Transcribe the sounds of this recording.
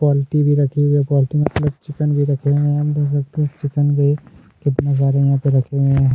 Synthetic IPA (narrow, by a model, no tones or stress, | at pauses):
pɔːlɪʈibʱiɾɐkʰeɡepɔːlɪʈimɐt̪ləb̚t͡ʃɪkənbʱiɾɐkʰeɡeɐbd̪es̬ɐkt̪eɦẽt͡ʃɪkənɡɐi | kɪt̪nas̬aːɾejɐɦãpeɾɐkʰeɡe